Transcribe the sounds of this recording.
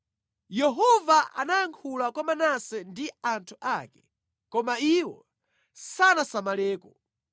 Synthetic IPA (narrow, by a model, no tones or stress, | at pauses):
jɛɦɔvaʔa̰najaŋkʰulakwamanasɛndiantʰuʔakɛ̥ | kɔmaiwɔ̰ | sanasamalɛːkɔ